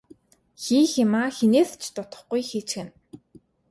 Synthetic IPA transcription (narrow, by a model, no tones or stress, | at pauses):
xiːxɪmaːxeneːst͡ɕʰt̪ʊt̪ə̆χɡujxiːt͡ɕxɘ̆n